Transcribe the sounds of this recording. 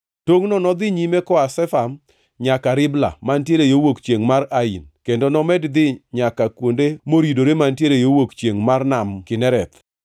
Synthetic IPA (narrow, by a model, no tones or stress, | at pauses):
toŋnɔnɔd̪ɪɲimekɔasɛfam | ɲakaɾɪbla̰mantjeɾejowokt͡ʃjeŋmaɾainkendonɔmɛdd̪ɪɲakakwondemoɾidoɾemantjeɾejowokt͡ʃjeŋmarnamkɪnɛɾɛt̪